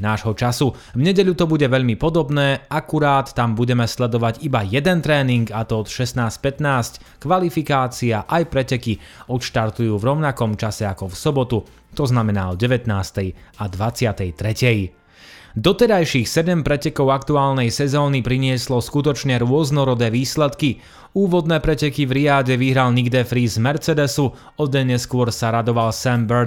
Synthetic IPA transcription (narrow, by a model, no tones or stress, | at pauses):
naːʒɦɔt͡ʃasu | vɲɛɟɛʎut̪ɔbuɟɛʋɛʎmipɔd̪ɔbnɛːakuɾaːt̪ːambuɟɛmɛslɛd̪ɔʋaɟibajɛd̪ɛnt̪ɾɛːniŋɡat̪ɔɔt̪ʃɛsnaːsc̚pɛt̪naːsckʋalifikaːt͡siaʔajpɾɛcɛkiɔt̪ʃt̪aɾt̪ujuːvɾɔʊnakɔmt͡ʃasɛakɔfsɔbɔt̪u | t̪ɔznamɛnaːɔɟɛʋɛt̪naːst̪ɛjad̪ʋat͡sɪat̪ɛjt̪ɾɛcɛj | d̪ɔt̪ɛɾajʃixsɛɟɛmpɾɛcɛkɔʊakt̪uaːlnɛjsɛzɔːnipɾiɲɪɛslɔskut̪ɔt͡ʃɲɛɾʊɔznɔɾɔd̪ɛːʋiːslɛt̪ki | uːʋɔd̪nɛːpɾɛcɛkivɾiaːɟɛʋiɦɾalniɡd̪ɛfɾiːzmɛɾt͡sɛd̪ɛsu | ɔd̪ɛɲɛskʊɔɾsaɾad̪ɔʋalsɛmbɛɾ